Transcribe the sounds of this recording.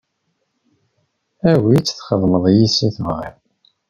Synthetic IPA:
æwit͡sːθχəðˤməðˤjisiθvʁə̰

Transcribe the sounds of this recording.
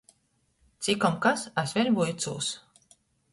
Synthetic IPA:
t̪sikɔmkasasʲvʲɛɾbujt̪sṵːs

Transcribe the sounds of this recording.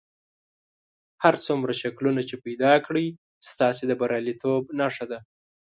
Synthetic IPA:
haɾt͡sumɾaʃaklunat͡ʃepajd̪ɑkɽi | st̪ɑsed̪əbaɾɑlit̪ʰobnaʂad̪a

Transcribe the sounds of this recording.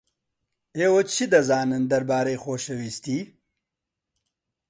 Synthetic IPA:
eːwot͡ʃʰid̪ɐzaːnɨnd̪ɐɾbaːɾejxoːʃɐwiːst̪iː

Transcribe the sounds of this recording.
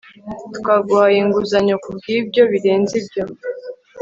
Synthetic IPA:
tu̥kaɡwaːjeŋɡuzaɲo̞kubɡiːbɟo̞βiɾe̞ːnzibjo̞

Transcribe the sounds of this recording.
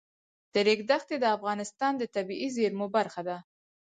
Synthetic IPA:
d̪̥əɾekd̪axt̪ed̪əafɣɑnɪst̪ɑnd̪ət̪abiʔizeɾmobaɾxad̪a

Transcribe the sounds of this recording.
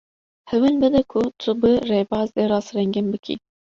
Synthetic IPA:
hɛwɛnbɨd̪ɛkʰʊt̪ʰʊbɨreːbɑːzeːɾɑːsɾɛŋɡɨnbɨkʰḭ

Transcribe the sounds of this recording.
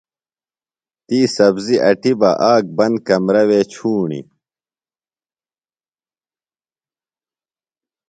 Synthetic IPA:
t̪iːsɐbziʔɐʈibɐʔaːk̚bɐnd̪̚kɐmɾɐweːt͡ɕʰuːɳḭ

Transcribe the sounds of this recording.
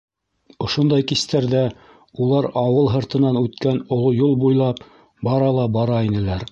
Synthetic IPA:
ŏʃŏnd̪ɑjkist̪æɾðæ | ulˠɑɾɑwɤlˠɦɤ̆ɾt̪ɤ̆nɑnʉt̪kænŏlˠojulˠbujlˠɑp | bɑɾɑlˠɑbɑɾɑinɘ̆læɾ

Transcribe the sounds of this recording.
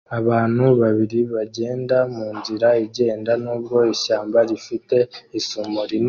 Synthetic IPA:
aβaːn̥huβaβiɾiβaɟe̞ːndamuːnziɾaiɟe̞ːndanuːb̚ɡo̞iʃaːmbaɾifite̞isumoɾin

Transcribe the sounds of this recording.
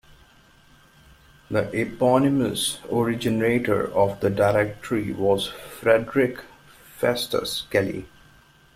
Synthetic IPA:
d̪əʔɛpɔnɪməsɔɹɪd͡ʒɪneːʈə̰ɹɔfd̪əɖaɪɾɛk̚ʈəɾiʋɔzfɾɛɖɾɪk | fɛsʈə̰skɛlḭ

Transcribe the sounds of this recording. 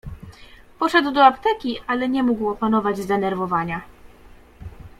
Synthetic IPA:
pɔʂɛd̪wd̪ɔapt̪ɛkʲiʔalɛɲɛmuɡwɔpanɔvad͡ʑzd̪ɛnɛɾvɔvaɲa

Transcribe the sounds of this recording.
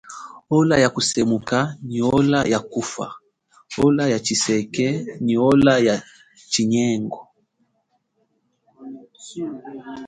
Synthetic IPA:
ɔlajakusɛmukaniɔlajakufa̰ | ɔlajat͡ʃisɛkɛniɔlaja | t͡ʃiɲɛŋɡɔ

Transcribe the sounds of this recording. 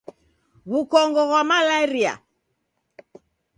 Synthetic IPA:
ɣukɔŋɡɔɣwamalaiɾia̰

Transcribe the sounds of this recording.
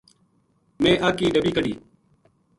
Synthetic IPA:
mẽːʔaːkiːɖəbiːkəɖḭː

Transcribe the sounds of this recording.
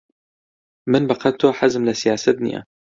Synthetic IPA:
mɪnbɑqɑt̪ʊħazmlasɪjaːsad̪nḭʔa̰

